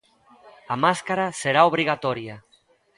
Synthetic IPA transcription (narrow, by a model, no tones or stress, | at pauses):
amaskaɾaseɾaoβ̞ɾiɣat̪oɾja